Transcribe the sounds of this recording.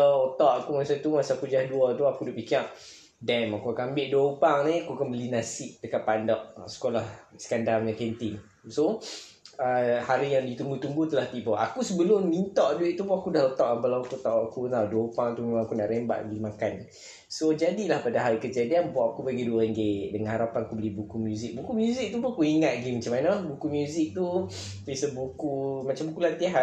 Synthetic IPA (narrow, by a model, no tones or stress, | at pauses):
ɔot̪ɔʔakumasat̪umasakud͡ʒahduət̪uakudaʔpikɪr | dɛmakuakambɪʔduaupaŋniakukanmbəlinasiʔ̚təkaʔpandɔʔsə̥kolahsə̥kandarɲakɛnt̪iŋ | so | əhaɾijaŋdit̪uŋɡut̪uŋɡut̪əlaht̪iʔbɔa̰kusəbəlʊmːint̪ɔʔd͡ʒuiʔt̪upɔakudahlət̪awʔampalat̪ət̪aʔakut̪aduəpaŋt̪umemãŋakuna̰ʔɾɛmba̰ʔɡimakan | sod͡ʒadilahpadaɦaɾikəd͡ʒadianbaʔakubaɡiduəɾeŋɡedəŋãnhaɾapanakubəlibukumjuzik̚bukumjuzik̚t̪upɔakuiŋat̪̚ɡimat͡ʃamanabukumjuzik̚t̪u | bisəbukumat͡ʃambukulant̪iɦa